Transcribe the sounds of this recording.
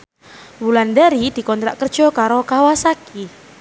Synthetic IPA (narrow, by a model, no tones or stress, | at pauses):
bulandɛɾid̪̥i̤kɔnt̪ɾaʔkərd̥ʒ̥ɔkaɾokawasaki